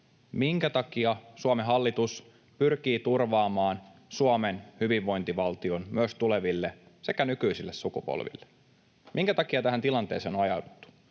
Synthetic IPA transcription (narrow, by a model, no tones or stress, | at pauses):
miŋkæt̪ɑkiɑsuɑmeɦɑlːit̪us | pyrk̟iːt̪urʋɑːmɑːnsuɑmenhyʋiʋːo̞jnt̪iʋɑlt̪io̞nmyøst̪ule̞ʋilːese̞kænykyisilːessukupo̰lʋḭlːe | miŋkæt̪ɑkiɑt̪æɦænt̪ilɑnt̪eːseːnonɑjɑudut̪ːu̥